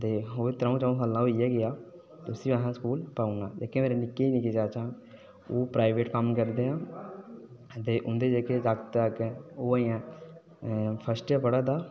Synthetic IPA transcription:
t̪eːoːeːt̪ɾãũːt͡ʃãũːsaːlãːoːɪjaːɡɪjaː | t̪eʊsĩːãːɦãːskuːlpaːunãːd͡ʒeːkẽmeːɾeːnɪkːeːiːnĩked͡ʒaːt͡ʃaːn | oːpɾaːɪʋeːʈkəmkəɾd̪eːãː | t̪eːʔʊnd̪eːd͡ʒeːkeːd͡ʒakt̪əkːoːəãː | pʰəsʈjaːpəɽaːd̪aː

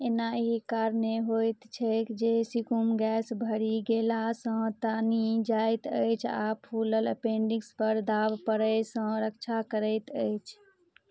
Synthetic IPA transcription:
enaeɦikaɾneɦojt̪t͡ʃʰəjkd͡ʒesikumɡɛsbʱəɾiɡelasə̃t̪anid͡ʒajt̪əɪt͡ʃʰa̰pʰulələ̰pẽɳɖiɡspəɾd̪abpəɾəjsə̃ɾəkt͡ʃʰakəɾəɪt̪əjt͡ʃʰ

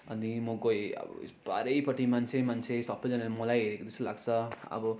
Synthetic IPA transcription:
ʌnimʌkojʌ̰ba̰ɾejpʌʈːimant͡sʰemant͡sʰesʌpʰːʌd͡zʌnenmʌlajɦeɾekot̪est̪ulaɡt͡sʰʌʌ̰bʌ

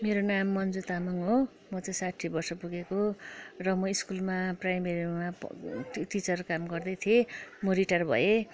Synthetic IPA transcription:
meɾonamːʌnd͡zut̪amʌŋɦo | mʌt͡sʌj̃saʈʰːibʌrsʌpuɡekorʌmʌiskulmaprajmeɾima | ʈit͡sʌrkamɡʌrd̪ʌjt̪ʰiemoɾiʈʌrbʱʌ̰e

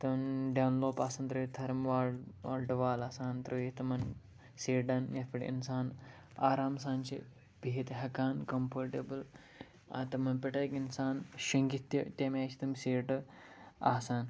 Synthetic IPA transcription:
t̪ɐmɖɐwnloːpaːsɐːnt̪ɾɐit̪ʰɐɾmʋaːaːlʈɐʋaːlaːsaːnt̪ɾɐjit̪ɐmɐn | seːɖɐnjɐt̪pʰʲɐʈḭnsaːn | aːɾaːmsaːnt͡ʃʰḭ | bʱiɦit̪ɦɐkaːnkɐmpoɾʈebɐl | a̰t̪ɐmɐnpeʈɐːkinsaːnʃɐŋɡit̪ːɐt̪ʲɐmʲaːt͡ʃʰi̥t̪ɐmseːʈɐ | a̰ːsaːn

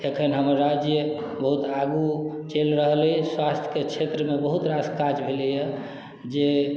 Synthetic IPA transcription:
ekʰənɦəməɾːad͡ʒjə | bəɦut̪aɡut͡ʃelɾəɦliswast̪ʰjə̥ket͡ʃʰet̪ɾəmebəɦut̪ɾaskad͡ʒbʱelijə | d͡ʒe

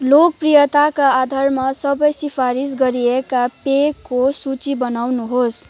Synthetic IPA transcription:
lok̚prijʌt̪akaːd̪ʱarmasʌbʌjsipʰaɾis̬ɡʌɾiekapekːosut͡sibʌnawnuɦos

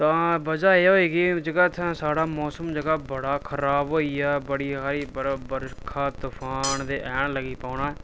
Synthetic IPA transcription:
t̪ãːbəd͡ʒaːeːɦoːiːɡiːd͡ʒəɡaːt̪ʰːɛ̃ːsaːɽaːmɔːsəmd͡ʒəɡaːbəɽaːkʰəɾaːbɦoːiːɛːbəɽiːɦaːɾiːbəɾbəɾkʰaːt̪ʊpʰaːnd̪eːʔɛːɳləɡiːpaːɳaːɛː

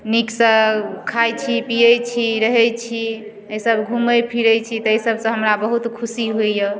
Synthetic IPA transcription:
niksə̃kʰajt͡ʃʰipijəjt͡ʃʰiɾəɦɛt͡ʃʰi | əjsəbɡʱuməjpʰiɾəjt͡ʃʰit̪ɔejsəbsə̃ɦəmɾabəɦut̪kʰusiɦojə

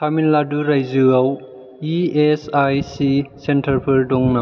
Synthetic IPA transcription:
tʰaminladuɾajzuaw | iesajsisentʰɐɾpʰɯɾdɔŋna

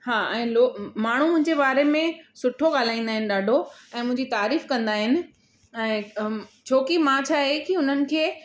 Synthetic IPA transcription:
haːɛ̃ːloːmaːɳ̤umʊ̃ɦɪ̃ɲd͡ʑebaːɾemẽsʊʈʰoɠaːl̤aːĩːnd̪aːɦɪnɪ̆ɗaːɖʱoɛ̃ːmʊ̃ɦɪ̃ɲd͡ʑit̪aːɾiːfkɐ̃nd̪aːɦɪnɪ̆ | ɛ̃ːt͡ɕʰoːkimãt͡ɕʰaːɦekiʊn̤ənɪ̆kʰeː

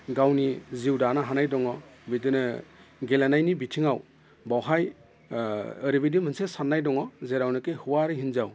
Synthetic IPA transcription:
ɡawniziwdanaɦanajdɔŋɔbidɯnɯɡelanajnibitʰiŋaw | bawɦaj | ɯɾibidimɯnsesanːajdɔŋɔzeɾawnɯkɯhɯwaɾɯɦinzaw

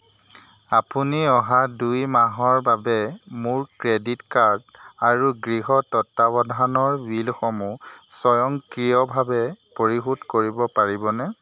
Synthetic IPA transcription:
apuniɔɦadujmaɦɔɹbabɛmuɹkɹeditkaɹdaɹuɡɹiɦɔtɔtːabɔdʱanɔɹbilxɔmusɔjɔŋkɹiɔbʱabɛpoɹiɦudkoɹibɔpaɹibɔnɛ

